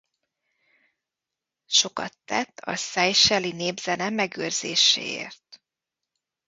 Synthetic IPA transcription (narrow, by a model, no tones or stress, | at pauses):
ʃo̞kɒt̪ːɛt̪ːɒ̰sɛjʃɛlineːbzɛnɛmɛɡøːrz̥eːʃḛːḛːrt̪̚